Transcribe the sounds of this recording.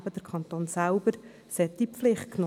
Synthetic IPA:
b̥əd̥əɾkʰχɑnt̪oːnsæʊbəɾ | sɛt̪̚d̥̪ipflɪχt̚kno

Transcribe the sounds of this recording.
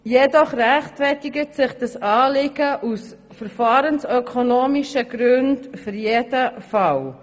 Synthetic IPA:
jɛdɔχræχtfɛtɪɡətsɪχd̥ɑsɑːlɪɡəʔus | fəɾfɑːɾənsœkʰonoːmiʃəɡɾʉndfʏɾjedəfɑw

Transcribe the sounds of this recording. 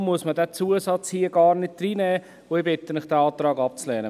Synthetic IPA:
mːuəsmədɛːt͡suːəsɑt͡shiːəɡ̥ɑːɾnɪt̚d̥riːnɛː | oɪbɪt̪ːəmɪχd̥ɛɑːt̪ɾɑːɡɑp̚t͡slɛːnə

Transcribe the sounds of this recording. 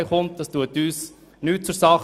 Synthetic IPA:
ɪχʊnt̚d̥ɑstuətyːs | nyːt̚t͡sʊɾsɑχ

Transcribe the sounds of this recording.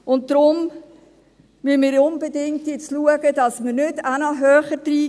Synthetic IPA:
ʊnt̚dɾʊm | myənmɪːɾʊnbedɪŋ̚tjɪt͡sluəɡəd̥ɑsmərnʏdænəɦœːχəd̥ɾiː

